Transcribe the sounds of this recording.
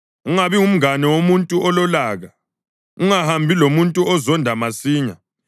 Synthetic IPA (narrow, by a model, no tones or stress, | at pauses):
uŋaβium̩ɣanɛwomuntʼuʔɔlɔlaːɣa | uŋahambʱilomuntʼuɔzɔndʱamasiːɲa